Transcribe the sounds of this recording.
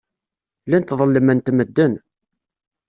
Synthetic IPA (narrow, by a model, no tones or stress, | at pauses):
lænt̪ðˤəlːəmənt̪məd̪ːən